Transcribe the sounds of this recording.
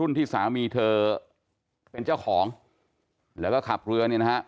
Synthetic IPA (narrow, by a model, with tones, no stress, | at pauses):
u˥˩nt̪ʰiː˥˩saː˩˦miː˧t̪ʰɤː˧ | pe˧nt͡ɕaː˥˩wkʰɔː˩˦ŋ | lɛː˦˥wkɔː˥˩kʰa˨˩p̚ɾɯ˧ɐni˥˩na˦˥ha˦˥ʔ